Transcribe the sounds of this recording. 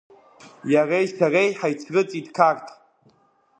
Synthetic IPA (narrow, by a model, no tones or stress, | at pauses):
jarajsarejħajt͡sʰrɨt͡sʼidkʰartʰʼ